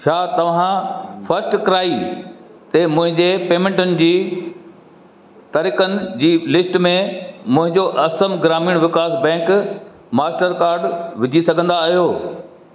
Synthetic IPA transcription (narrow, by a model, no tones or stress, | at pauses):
ʃʰaːt̪ɐʋ̤ãfʰɐsʈkɾaːi | t̪emʊ̃ɦɪ̃ɲd͡ʑepeːmẽɳʈʊnɪ̆d͡ʑiː | t̪ɐɾɪkənɪ̆d͡ʑiːlɪsʈmẽmʊ̃ɦɪ̃ɲd͡ʑoʔɐsəmɡɾaːmiːɽ̃ʋɪkaːsbɛ̃ːk | maːsʈəɾkaːɾɖʋɪd͡ʑʱisɐɡʱə̃nd̪aːɦijoː